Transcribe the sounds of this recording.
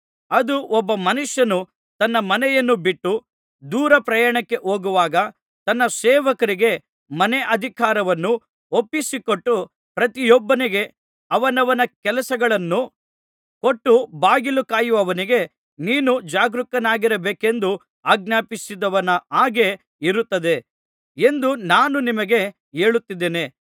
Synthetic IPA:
ɐd̪uʔɔbːɐmɐnuʂjɐnu | t̪ɐnːɐmɐnɛjɐnːubiʈːu | d̪uːɾɐpɾɐjaːɳɐkːe̞ʔoːɡuʋaːɡɐ | t̪ɐnːɐsɛːʋɐkɐɾiɡe̞ | mɐneʔɐd̪ʱikaːɾɐʋɐnːu | opːisikoʈːu | pɾɐt̪ijɔbːɐniɡe̞ | ɐʋɐnɐʋɐnɐkɛlɐsɐɡɐɭɐnːu | ko̞ʈːubaːɡilukaːjuʋɐʋɐniɡe̞ | niːnud͡ʒaːɡɾukːɐnaːɡiɾɐbeːke̞nd̪u | aːɡ̚naːpisid̪ɐʋɐnɐaːɡe̞ | iɾut̪ːɐd̪e̞ | e̞nd̪unaːnunimɐɡe̞ | eːɭut̪ːid̪ːeːne̞

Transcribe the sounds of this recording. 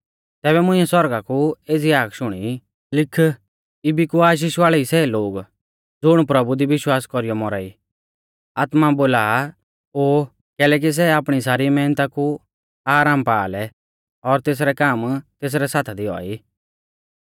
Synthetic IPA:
t̪ɛːbɛmʊ̃ɪ̃ːɛsɔɾɡakueːd͡ziaːkʰʃʊɽ̃i | lɪkʰː | ɪbikuaːʃ̬iːʃʋaːɭɛisɛloːɡ | d͡zʊɽ̃pɾɐbud̪iʋɪʃwaːskɔɾijɔmɔɾaːḭː | aːt̪maboːlaː | oː | kɛːlɛk̬is̬ɛaːpɽ̃is̬aːɾimɛːnt̪aku | aːɾaːmpaːlɛ | ɔɾt̪eːs̬ɾɛkaːmt̪eːs̬ɾɛsaːt̪ʰɛd̪iɔ̰iː

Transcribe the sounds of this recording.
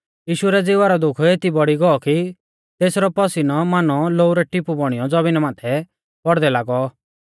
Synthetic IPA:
jiːʃuɾɛd͡zɪʋaɾɔd̪ʊkʰeːt̪ibɔɽiɡɔɔki | t̪eːsɾɔpɔsinɔmaːnɔloːuɾɛʈɪpubɔɽ̃ijɔd͡zɔbinmaːt̪ʰɛ | b̥ɔɽd̪ɛlaːɡɔ

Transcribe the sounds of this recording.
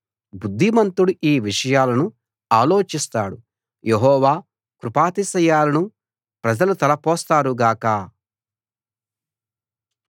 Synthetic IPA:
bud̪ʱːimɐnt̪uɽuʔiːʋiʂɐjaːlɐnu | aːloːt͡ʃist̪aːɽu | jeɦɔːʋaː | kɾupaːt̪isɐjaːlɐnu | pɾɐd͡ʒɐlut̪ɐlɐpɔːst̪aːɾuɡaːkɐ

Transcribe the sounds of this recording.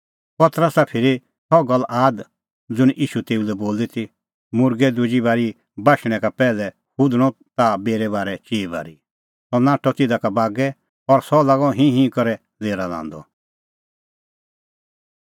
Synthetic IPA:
pɐt̪ɾəsapʰɪɾi | t̪ʰɔɡɐlʔaːd̪ | d͡zʊñʔiːʃut̪eːulɛboːlit̪ʰi | mʊɾɡɛd̪ʊd͡ʒibaːɾi | baːʃɽ̃ɛ̃kapɛːlɛ | hʊd̪ɽ̃ɔt̪abeːɾɛbaːɾɛt͡ʃiːba̰ːɾi | sɔnãːʈʰːɔt̪ɪd̪akabaːɡɛ | ɔɾsɔlaɡɔ̃ɦĩɦĩkɔɾɛ | leːɾalã̰ːn̆d̪ɔ̰

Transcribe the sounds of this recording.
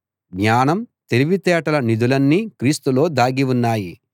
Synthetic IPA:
ɡɲaːnɐmt̪eliʋit̪ɛːʈɐlɐnid̪ulɐnːikɾiːst̪ulo̞ːd̪aːɡiʋunːaːji

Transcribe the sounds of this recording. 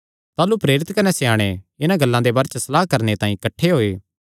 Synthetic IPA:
t̪aːlupɾeːɾɪt̪kɐnɛsɛaːɽ̃eɪnãɡɐlːãd̪ebɐːɾt͡ʃsɐlaːɦkɐɾnet̪ãːĩkɐʈʰːeɦoːeː

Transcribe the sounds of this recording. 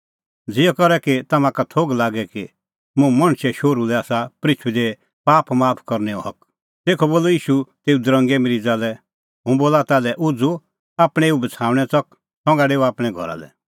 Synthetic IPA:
d͡zɪjɔkɐɾɛkit̪ɐmãkat̪ʰoːɡlaːɡɛki | mũmɐ̃ɽ̃ʃɛʃoːɾulɛaːsapɾɪt͡ʃʰid̪ɛ | paːpmaːpʰkɔɾnɛɔ̰ɦɐk | t̪eːkʰɔboːlɔiːʃut̪eːud̪ɾə̃ŋɡɛmeɾid͡zaːlɛ | ɦũboːlat̪aːlɛʔʊd͡zu | aːpɽ̃ɛeːubɐt͡sʰaːʋɽ̃ɛt͡sɐk | sɔ̃ŋɡaɖeːuaːpɽ̃ɛɡʱɔ̰ɾa̰lɛ̰

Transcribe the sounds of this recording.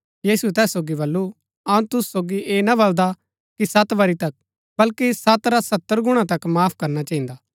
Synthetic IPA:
jiːsuet̪ɛːsːoːɡibɐlːu | ɐũt̪ʊssoːɡiʔeːnabɐld̪a | kisɐt̪ʋɐɾit̪ɐk̚ | bɐlkisɐt̪ɾasɐt̪ːəɾɡʊɽ̃ãt̪ɐkmaːpʰkɐɾnat͡ʃaːĩːnd̪aː

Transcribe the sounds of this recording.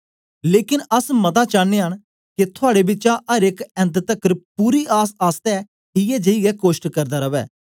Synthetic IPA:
leːkɪnəsmət̪aːt͡ʃaːneːɦən | kɪt̪ʰʊaːɽeːbɪt͡ʃãʔəɾɪkɛ̃nt̪t̪əkːɾpuːɾiːaːsaːst̪ɛː | ɦɪjɛːd͡ʒəiɡɛːkoːʃʈkəɾd̪aːɾəʋɛː

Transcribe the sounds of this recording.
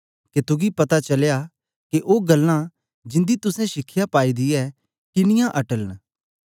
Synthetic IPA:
ket̪ʊɡipɐt̪at͡ʃɐlja | keʔoːɡɐlːã | d͡ʒɪ̃nd̪it̪ʊsɛ̃ʃɪkʰːɪjapaːid̪ɪjɛ | kɪnɪjãʔɐʈələn

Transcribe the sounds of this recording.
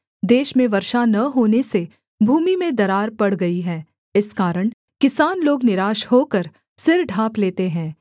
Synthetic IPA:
d̪eːʃmẽʋɐɾʃanɐɦoːnese | bʱuːmimẽd̪ɐɾaːɾpɐɽ̤ɡɐiɦɛː | ɪskaːɾəɽ̃ | kɪsaːnloːɡnɪɾaːʃhoːkɐɾ | sɪɾɖʱaːpleːt̪eɦɛ̃ː

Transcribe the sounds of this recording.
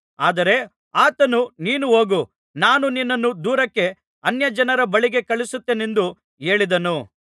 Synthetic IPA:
aːd̪ɐɾe̞ | aːt̪ɐnuniːnuɦo̞ːɡu | naːnuninːɐnːud̪uːɾɐkːe̞ | ɐnjɐd͡ʒɐnɐɾɐbɐɭiɡe̞kɐɭisut̪ːeːne̞nd̪u | e̞ːɭid̪ɐnu

